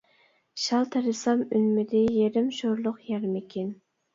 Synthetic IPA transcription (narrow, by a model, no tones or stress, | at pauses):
ʃɑlˠt̪ʰæɾɪsɑmynmɪd̪ɪjeɾɪmʃoɾlˠʊqjɛɾmɪkʲʰin